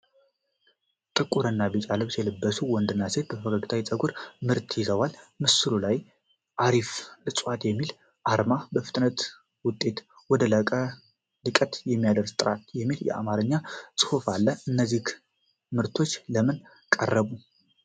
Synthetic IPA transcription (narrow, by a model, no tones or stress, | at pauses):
t̪ʼɨkʼuɾənːabit͡ʃʼaləβsjɛlɨbːəsuwɔnd̪ɨnːase̞t̪̚bəəfəɡəɡɨt̪ʰawit͡sʼəɡuɾmɨɾt̪ʰjɪzəwalmɨsɨlulaj | ʔaɾiflɨsʼwat̪jɛmːil | ʔaɾmabəfɨ̥t̪ʼnət̪ | wʊt̪ʼːe̞t̪ | wɔd̪ələkʼə | lɨkʼət̪jɛmːijad̪əɾst̪ʼɨɾat̪jɛmːiljɛ̰ʔa̰maɾəɲːasʼɨ̥hufalːəɨnːəzːih | mɨɾt̪ʰo̞t͡ʃːləmɨn | kʼə̰rːəβu